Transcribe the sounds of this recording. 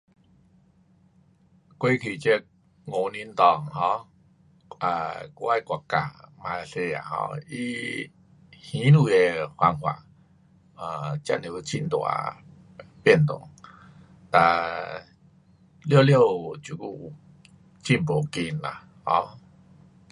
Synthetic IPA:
kwe˦kʰi˨˩t͡ɕe˦˧˦k̚ | ŋo˨˦ni˧˦nt̪ɔ˨˩ŋɦɔ̃˧˦ | a̰˨kwa˦˧˨kwa˨˩ka̰˨˩mã˧se˧a̰˨hɔ̰˧i˧˦ | hĩ˨˦nu˧˩e˨hwa˧ŋhwa̰˨˩˨ | ə˧˩t͡ɕa̰˦˧ne˨˩˧t͡ɕʰi˦˧˩nt̪wa̰˧˦ | pjɛ˥˧˨nt̪o̰˨˩˦ŋ | t̪a˨˩ | ljlje˥˧˨wt͡ɕu˨˩ku˧˩˨ | t͡ɕi˧˩npo˨˩ki˧na̰˨ | hɔ̰̃˧˦

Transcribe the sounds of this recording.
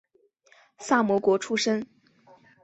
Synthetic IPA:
sa˥˩mwɔ˧˥kwɔ˧˥ʈ͡ʂʰu˥ʂə˥ŋ

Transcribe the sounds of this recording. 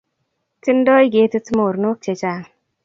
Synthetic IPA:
tɪ˦ndɔ˦ɪ˦ɡe˦ti˦tmo˨ɾno˦k̚t͡ʃe˨t͡ʃa˦˨ŋ

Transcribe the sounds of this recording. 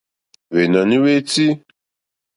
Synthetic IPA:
ve˨na˨ni˦we˦t͡si˦

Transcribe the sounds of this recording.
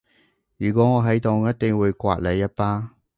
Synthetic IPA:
jyː˨˩kʷɔː˨˥ŋɔː˨˧ɦɐ˨˥jt̪o˨˧ŋjɐ˥t̚t̪ɪ˨ŋwuː˨˧jkʷa̰ː˧t̚lɐ˨˧jːɐ˥t̚paː˥

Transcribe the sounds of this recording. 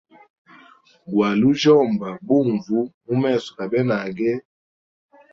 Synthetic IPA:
ɡwa˨lu˦ʒɔ˦˨mba˨bu˦˨ɱvu˦mu˦mɛ˦˨sɔ˨ka˨bɛ˦na˨ɡɛ˦

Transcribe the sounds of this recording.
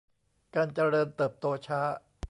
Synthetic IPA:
kaː˧nt͡ɕa˧ɾɤː˧nt̪ɤː˨˩p̚t̪oː˧t͡ɕʰaː˦˥

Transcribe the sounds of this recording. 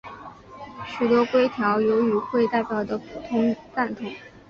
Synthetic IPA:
ɕy˨˩t̪wɔ˥kwe˥ɪt̪ʰjɑ˧˥ʊjo˧˥ʊy˧˥xwe˥˧ɪt̪a˥˩ɪpjɑ˨˩ʊd̪ə˦pʰu˨˩t̪ʰʊ˥ŋt͡sa˥˩nt̪ʰʊ˥˦ŋ

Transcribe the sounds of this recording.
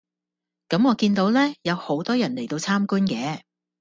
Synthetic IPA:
kɐ˨˥mŋɔː˨˧kiː˧nt̪o˨˧˥wlɛː˥jɐ˨˧who˨˥wt̪ɔː˥jɐ˨˩nle˨˩jt̪o˧wt͡sʰaː˥mkuː˥nkɛː˨˧

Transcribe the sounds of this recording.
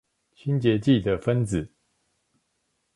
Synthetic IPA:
t͡ɕʰi˦nt͡ɕjɛ˨˦t͡ɕi˥˨d̪ə˨fə˦nt͡s̩˨˩˦

